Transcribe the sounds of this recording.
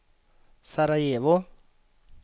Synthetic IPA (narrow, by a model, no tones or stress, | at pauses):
saɾajeːβɔ